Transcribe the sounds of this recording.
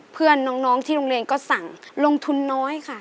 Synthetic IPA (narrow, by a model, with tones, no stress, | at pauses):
pʰɯ˥˩ənːɔː˦˥ŋnɔː˦˥ŋt̪ʰiː˥˩ɾo˧ŋleː˧nkɔː˥˩sa˨˩˦ŋlo˧ŋt̪ʰu˧nːɔː˦˥jkʰa˥˩